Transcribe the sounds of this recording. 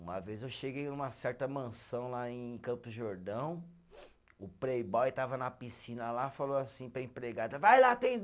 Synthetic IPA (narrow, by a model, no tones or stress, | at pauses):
ũmɐ̰vezewʃeɡejnũmɐsɛɾt̪ɐmɐ̃sɐ̃w̃laẽj̃kɐ̃pʊʊʒoɾd̪ɐ̃w̃ | ʊpɾejbɔjt̪avɐnɐpisĩnɐlafalowasĩpɾɐẽpɾeɡad̪ɐvajlat̪ẽd̪